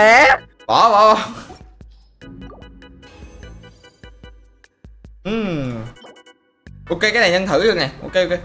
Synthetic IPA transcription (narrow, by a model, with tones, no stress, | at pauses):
ɛ˨˦ | vɔ̰˨˦vɔː˨˦vɔ˨˧˦ | ʔɨ˨˩m | ʔo˧ke˧kaː˨˦na˨˩ɲə˧nt̪ʰɨ̰˧˦zɨ˨˩əkna˨˩jʔo̰˧ke˧ʔo˧ke˧